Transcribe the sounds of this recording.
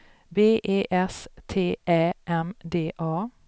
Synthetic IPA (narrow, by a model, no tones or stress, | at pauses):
beːʔeːʔɛst̪ʰeːʔɛːʔɛmd̪eːʔɑː